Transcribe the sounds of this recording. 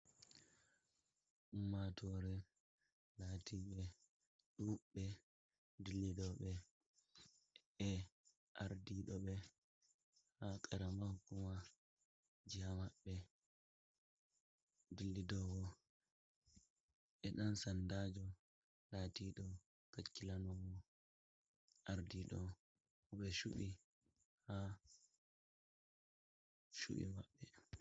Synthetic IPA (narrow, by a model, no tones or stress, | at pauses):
ʔumːatʰɔɾɛ | latiɓɛ | ɗuɓɛ | dilːidɔɓɛ | ɛ | ʔaɾdiɗɔɓɛ | hakʼɛɾamahkːuma | d͡ʒiamaɓːɛ | dilːidɔɡɔ | ɛɗansandad͡ʒɔ | latiɗɔ | kakːilanɔɡɔ | ʔaɾdiɗɔ | ɔɓɛʃuɓi | ha | ʃṵɓḭmaɓːɛ